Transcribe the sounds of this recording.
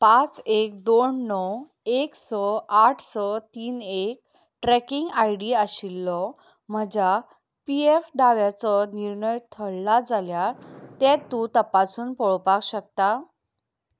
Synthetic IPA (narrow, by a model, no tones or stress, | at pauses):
pãt͡sek̚d̪oɳːɔw | eksɔaʈʰsɔt̪iːnek̚ | ʈɾɛkiŋɡajɽiaɕilːɔ | m̤əd͡ʑa | piefd̪aʋjat͡sɔniɾɳəjt̪ʰəɽlad͡zaljaɾt̪ɛt̪ːut̪əpasuːnpɔɭpakɕək̚t̪a